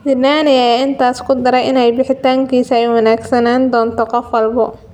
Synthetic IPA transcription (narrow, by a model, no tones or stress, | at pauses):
bɪnaːnɐjajɪnt̪ʰaːskʰʊd̪ɐɾɛjʔɪnɛjbɪħɪt̪aːŋkʰiːsɐɛjwɑnaːɡsɐnaːnd̪ɔːnt̪ʰɔqɔfwɐlbɔ